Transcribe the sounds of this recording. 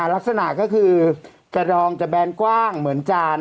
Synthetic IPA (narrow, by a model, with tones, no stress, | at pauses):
a˨˩˦la˦˥k̚sa˧na˨˩ʔkɔː˥˩kʰɯː˧ | kɾa˧ɾɔː˧ŋt͡ɕa˨˩bɛː˧nkwaː˥˩ŋmɯ˩˦ənt͡ɕaː˧n